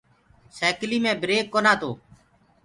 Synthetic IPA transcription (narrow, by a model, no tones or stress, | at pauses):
sɛːkliːmẽːbɾeːkːoːnãːt̪oː